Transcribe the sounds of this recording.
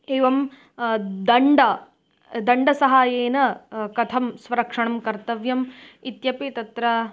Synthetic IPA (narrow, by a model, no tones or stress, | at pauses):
eːʋɐm | d̪ɐɳɖɐ | d̪ɐɳɖɐsɐɦaːjeːnɐkɐt̪ʰɐmsʋɐɾɐkʂɐɳɐmkɐɾt̪ɐʋjɐmit̪jɐpit̪ɐt̪ɾɐ